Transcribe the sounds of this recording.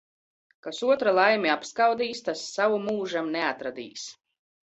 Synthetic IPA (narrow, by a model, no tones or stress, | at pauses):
kasuɔt̪ɾalˠajmiapskawd̪iːst̪asːavumuːʒamneat̪ɾad̪ḭːs